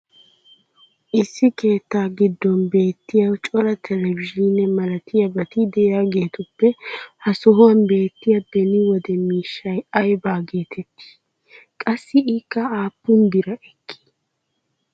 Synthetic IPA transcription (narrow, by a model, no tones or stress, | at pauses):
ʔɪsːɪke̞ːt̪ːaːɡɪd̪ːɔnbe̞ːt̪ːɪjɐwt͡ʃʼɔɾɐt̪ʰɛlɛvɪʒinɛmɐlɐt̪ɪjɐbɐt̪ɪd̪ɛjjaːɡe̞ːt̪ʊpːɛhɐsɔɦʊwɐnbe̞ːt̪ːɪjɐb̥ɛnɪwɔd̪ɛmiːʃːɐjɐjbaːɡe̞ːt̪ʰɛt̪ːɪ̥ | kʼɐsːɪɪkːɐaːpːʊnd̪ɪɾɐʔɛkʰːi̥